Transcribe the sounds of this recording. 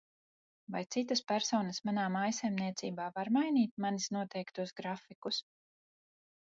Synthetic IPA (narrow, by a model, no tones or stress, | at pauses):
vajt̪sit̪aspæɾsɔːnɐsmanaːmajsajmniɛt̪siːbaːvaɾmajniːt̪̚manisnuɔt̪ɛjkt̪uɔsɡɾafikus